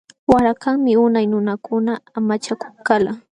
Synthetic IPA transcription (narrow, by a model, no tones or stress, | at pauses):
waɾakaŋmɪʊnajnʊnakʊnaːmat͡ʃakʊ̥χkala